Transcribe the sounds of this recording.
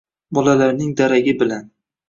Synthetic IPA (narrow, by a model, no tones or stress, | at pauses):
bɒlalaɾnɪŋd̪aɾaɡʲɪbɪlan